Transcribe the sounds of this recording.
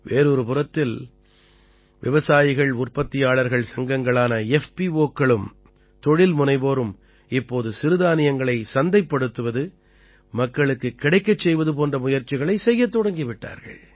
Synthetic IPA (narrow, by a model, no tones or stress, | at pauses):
ʋeːɾɔɾɯpɯrɐt̪ːɪl | ʋɪʋɐsaːjɪɣɐɭʊrpɐt̪ːɪjaːɭɐɾɣɐɭsɐŋɡɐŋɡɐɭaːnɐɛfpioːkːɐɭɯm | t̪ɔɻɪlmʊnɐɪboːɾɯm | ɪpːoːðɯsɪɾɯðaːnɪjɐŋɡɐɭɐɪsɐnd̪ɐɪpːɐɽɯt̪ːɯʋɐðɯ | mɐkːɐɭɯkːɯkːɪɽɐɪkːɐt͡ʃːɛjʋɐðɯp̬oːndrɐmʊjɐɾt͡ʃɪɣɐɭɐɪsɛjːɐt̪ːɔɽɐŋɡɪʋɪʈːa̰ːɾɣɐ̰ɭ